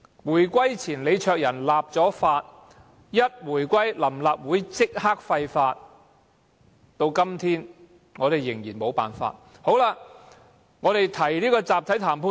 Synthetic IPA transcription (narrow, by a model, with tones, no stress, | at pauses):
wuː˨˩jkʷɐ˥jt͡sʰiː˨˩nle˨˧jt͡ʃʰœː˧k̚jɐ˨˩nlaː˨p̚t͡sɔː˨˥faː˧t̚ | jɐ˥t̚wuː˨˩jkʷɐ˥jlɐ˨˩mlaː˨p̚wuː˨˥jt͡sɪ˥k̚haː˥k̚fɐ˧jfaː˧t̚ | t̪o˧wkɐ˥mt̪ʰiː˥n | ŋɔː˨˧ɾe˨jɪ˨˩ŋjiː˨˩nmo˨˧wpa̰ː˨˩nfa̰ː˧t̚ho˨˥wlaː˧ | ŋɔː˨˧t̪e˨jt̪ʰɐ˨˩jliː˥kɔː˧t͡saː˨p̚t̪ʰɐ˨˥jt̪ʰaː˨˩mpʰuː˧˥